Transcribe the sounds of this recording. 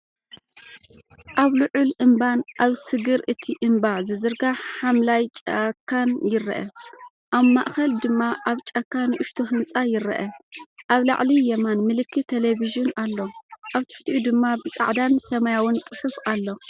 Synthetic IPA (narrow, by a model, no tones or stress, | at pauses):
ʔaβlɨʕʊlʔɨmbanʔaβsɨɡɨɾʔɨt̪ʰiʔɨmbazɨzɨɾɡaħamlajt͡ʃʼɐkʰːanjɪɾɐ̰ʔɐ | ʔaβmaʔxɐld̪ɨmːaʔaβt͡ʃʼɐkːanɨʔʊʃt̪ʰoɦɨnt͡sʼajɪɾɐ̰ʔɐʔaβla̰ʕlijɛmanmɨlɨkːit̪ʰeleβiʒunalːo̞ʔaβt̪ʰu̥ħt̪ʰiʔud̪ɨmːabɨt͡sʼa̰ʕd̪ansɐmajawʊnt͡sʼɨħufalːo̞